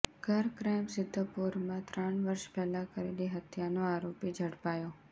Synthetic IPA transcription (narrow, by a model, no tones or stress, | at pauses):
ɡ̥ʱəɾkɾajmsɪd̪ʱːəpuɾmãt̪ɾəɳʋəɾʃpɛlãkəɾeliɦət̪ʰjanoaɾopid͡ʒʱəɽpajo